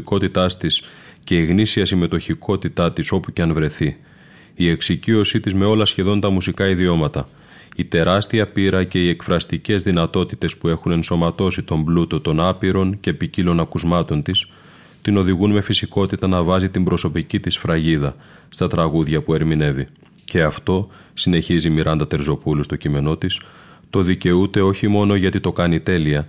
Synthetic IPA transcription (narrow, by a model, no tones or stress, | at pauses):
ko̞t̪it̪ɐst̪isce̞iɣnisiɐsime̞t̪o̞çikʰo̞t̪it̪ɐt̪iso̞puceɐnvɾe̞θi | ie̞ksicio̞sit̪izme̞o̞lɐsçe̞ðo̞nt̪ɐmusikɐiðio̞mɐt̪ɐ | it̪e̞ɾɐst̪iɐpiɾɐce̞ie̞kfɾɐst̪ice̞zðinɐt̪o̞t̪it̪e̞spue̞xune̞nso̞mɐt̪o̞sit̪o̞mblut̪o̞t̪o̞nɐpiɾo̞nce̞picilo̞nɐkuzmɐt̪o̞nt̪is | t̪ino̞ðiɣunme̞fisiko̞t̪it̪ɐnɐvɐzit̪imbɾo̞so̞picit̪isfɾɐʝiðɐ | st̪ɐt̪ɾɐɣuðʝɐpue̞ɾmine̞vi | ce̞ɐft̪o̞ | sine̞çizimiɾʔɐnd̪ɐt̪e̞ɾzo̞pulust̪o̞cime̞no̞t̪is | t̪o̞ðice̞ut̪e̞o̞çimo̞no̞ʝɐt̪it̪o̞kɐnit̪e̞liɐ